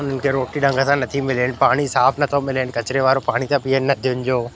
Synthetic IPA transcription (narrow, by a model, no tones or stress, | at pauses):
ʊn̤ənɪ̆kʰeɾoːʈiɗɐ̃ŋɡʱəsãnɐt̪ʰimɪlən̆paːɽ̃isaːfnɐt̪ʰomɪlɪnɪ̆kɐt͡ɕɾeʋaːɾopaːɽ̃it̪ãpiːɦənɪ̆nɐt̪ʰijʊnɪ̆d͡ʑoː